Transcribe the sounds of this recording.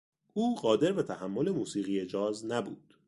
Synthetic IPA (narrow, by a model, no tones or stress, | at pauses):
ʔuːɢɒːd̪e̞ɾbe̞t̪ʰæhæmːo̞le̞muːsiːɣije̞d͡ʒɒːznæbṵːd̪̥